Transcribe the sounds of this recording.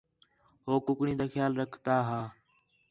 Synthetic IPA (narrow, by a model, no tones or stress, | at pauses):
ɦoːkʊkɳiːd̪aːxʰjaːlɾəkʰt̪aːɦaː